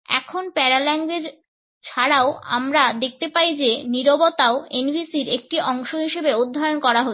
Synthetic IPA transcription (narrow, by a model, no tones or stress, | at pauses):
ɛ̰kʰonpɛɾalɛŋɡwed͡ʑ | t͡ɕʰaɽaoa̰mɾad̪ek̚ʰt̪epajd͡ʑeniɾobot̪aoenbʱisiɾek̚ʈiʔɔŋʃoɦiʃebeud̪ʱːajonkɔɾaɦo